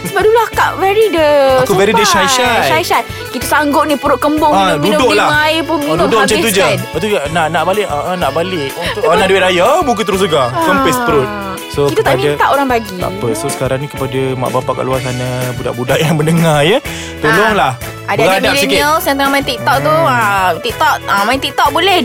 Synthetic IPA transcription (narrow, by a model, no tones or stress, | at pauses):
səbap̚duloakaʔvɛɾidəakuvɛɾidəʃajʃaajʃa | kit̪asaŋɡʊʔ̚nĩpəɾʊʔ̚kəmbʊŋãkunədolaajpʊnut̪omət͡ʃat̪ud͡ʒat̪unaʔnaʔbalɪʔəʔənaʔbalɪk̚unaduwit̪̚ajabuk̬ɪt̪ːəɾʊs̬ləɡakəmpɛspəɾʊt̪̚ | sokitk̪aaamidat̪aʔoɾaŋbaɡia̰pəsosə̥kaɾaŋnikəpadama̰ʔbapaʔka̰ʔluasanabuda̰ʔbudaʔjaŋmənəŋajə | t̪olɔŋlah | adaaaadalisinkiəlsãnt̪əŋamaĩnt̪ik̚t̪ɔʔt̪uət̪ik̚t̪ɔʔəmaĩnt̪ik̚t̪ɔʔ̚bolɛh